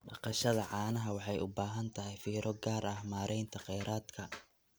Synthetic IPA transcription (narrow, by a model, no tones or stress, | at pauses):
bɑqɑʃɐðɐʕɑːnɐɦɐwɑħɑjʊbaːɦɐnt̪ʰɐɦɛjfiːɾɔɡaːɾɐhmaːɾʔɛjnt̪ʰɐqɛjɾaːd̪kʰɐ